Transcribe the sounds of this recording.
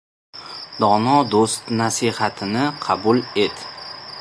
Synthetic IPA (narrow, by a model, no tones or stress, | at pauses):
d̪ɒnɒd̪ost̪nasihat̪ʰɪnɪqʰɑbule̞t̪